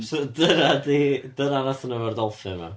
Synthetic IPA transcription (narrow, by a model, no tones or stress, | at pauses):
sɔdəɾadidəɾanasənəvardɔlˠfɨma̰